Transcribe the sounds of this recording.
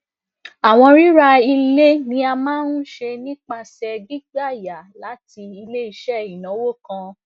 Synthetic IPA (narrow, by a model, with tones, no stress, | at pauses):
a˨w̃ɔ̃˧ɾi˦ɾa˧i˧le˦nĩ˨˦a˧mãː˦nũ˦ʃe˧nĩ˦k͡pa˧sɛ˧ɡi˦ɡa˦˨ja˨la˨˦ti˧i˧le˦i˧ʃɛ˦˨ĩ˨nã˨˦wo˦˨kã˧